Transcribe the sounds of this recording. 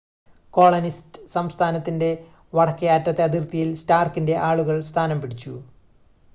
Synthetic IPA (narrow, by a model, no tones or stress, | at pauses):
ko̞ːɭɐnistɨsɐmst̪ʰaːnɐt̪ːinde̞ | ʋɐɽɐkːɐjaːtːrɐt̪ːe̞ɐðirt̪ːijilstaːrkinde̞ʔaːɭuɣɐɭst̪ʰaːnɐmpiɽit͡ɕːu